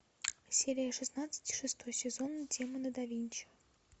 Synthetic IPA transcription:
sʲeɾʲɪjəʂɨsnat̪sɨ̥tʲi̥ʂɨst̪ojsʲɪzonːɨdʲemɨnəd̪ɐvʲinʲt͡ɕɪ̥

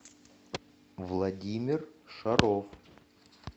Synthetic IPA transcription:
vlˠad̪ʲimʲɪrʂaɾof

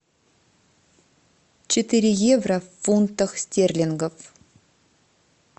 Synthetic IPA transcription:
t͡ʃʰɪt̪iɾʲɪjevrafunt̪ːəχsʲt̪ʲerlʲiŋɡof

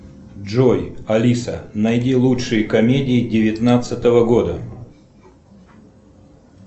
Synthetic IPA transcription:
ʐojɐlʲisənɐjdʲilˠuʂɨjɪkɐmʲedʲɪɪdʲɪvʲɪt̪nat̪sɨt̪əvəɡod̪ə

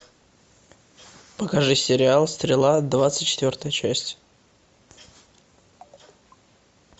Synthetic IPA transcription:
pəkɐʐɨsʲɪɾʲɪalˠsʲt̪ɾʲɪlˠad̪vat̪sɨ̥tʲt͡ɕːɪt̪vʲort̪əjət͡ɕæsʲtʲ

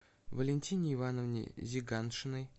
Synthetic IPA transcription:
vəlʲɪnʲtʲinʲɪɪvanəvnʲɪ̰jzʲɪɡanʂɨnɨj

